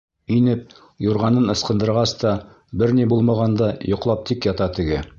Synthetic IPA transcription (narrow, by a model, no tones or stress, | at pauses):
inɘp̚ | juɾʁɑnɤnɤ̆sqɤ̆nd̪ɤ̆ɾʁɑst̪ɑ | bɘɾnibulˠmɑʁɑnd̪ɑjŏqlˠɑp̚t̪ikjɑt̪ɑt̪ɘ̆ɡɘ